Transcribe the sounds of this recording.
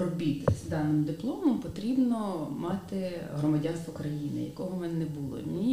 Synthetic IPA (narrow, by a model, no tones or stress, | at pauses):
ɾɔbʲit̪ɪsʲd̪ɑnːɪmʊd̪ɪplˠɔmɔmpɔt̪ɾʲibnɔmɑt̪ɪɦɾɔmɐdʲɑnst̪ʋɔkɾɐjinɪ̰jɐ̰kɔɦɔmɛnnɛbulˠɔ̰nʲi